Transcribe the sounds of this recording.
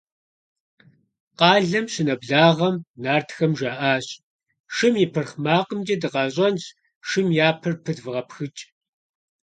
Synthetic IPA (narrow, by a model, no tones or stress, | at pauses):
qɑːɮɐmɕɪnɐbɮaːʁɐmnaːrtʰxɐmʒaːʔaːɕʼ | ʂɨmjɪpʰɨrχmaːqəmd͡ʒɐdɨqɑɕʼɐns | ʂɨmjaːpʰɨrpʰɨdvɨʁɐpxɨt͡ʃʼ